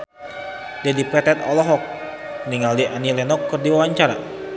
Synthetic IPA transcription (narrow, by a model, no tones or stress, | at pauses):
dɛdipɾɛt̪ɛt̪ɔ̰lɔɦɔk̚ | niŋaldiʔanilɛnɔkːərdiwawaɲt͡ʃaɾa̰